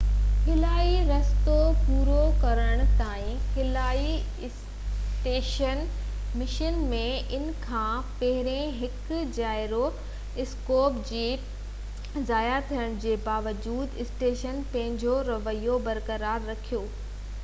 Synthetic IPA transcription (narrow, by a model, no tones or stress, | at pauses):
kʰɪlaːiɾɐst̪opuːɾokɐɾəɽ̃̆t̪aːĩkʰɪlaːi | ɪs | ʈeːʃən | mɪʃənmẽʔɪnkʰãːpɐɦɪɾẽɦɪkd͡ʑaːɪɾo | ɪskoːpd͡ʑeː | zaːjat̪ʰijəɽ̃d͡ʑeːbaːʋəd͡ʑuːd̪ɪsʈeːʃənpɐ̃ɦɪ̃ɲd͡ʑoɾɐʋəijobɐɾkɐɾaːɾːɐkʰijoː